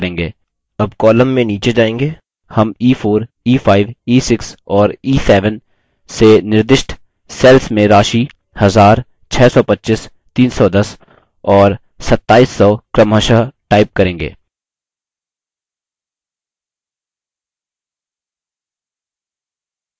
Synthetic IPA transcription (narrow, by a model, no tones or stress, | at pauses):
ɾẽːŋɡeː | ɐbkɔːləmːẽniːt͡ʃed͡ʒaːẽːŋɡeː | hɐmiːfʰoːɾ | iːfʰaːɪʋiːsɪksɔːɾiːsɛːʋən | senɪɾd̪ɪʃʈ | sɛːlsmẽɾaːʃi | hɐzaːɾ | t͡ʃʰɛːsɔpɐtːt͡ʃɪs | t̪iːnsɔd̪ɐs | ɔːɾ | sɐt̪ːaːiːsːɔːkɾəməʃaɦʈaːɪp̚kɐɾẽːŋɡḛː